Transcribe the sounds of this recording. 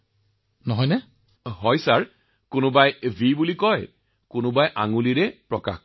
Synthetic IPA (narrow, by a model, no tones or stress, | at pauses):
nɔɦɔjnɛ | ɦɔjsaɹ | kʊnʊbajvʱibulikɔj | kʊnʊbajʔa̰ŋuliɹɛpɹɔka̰x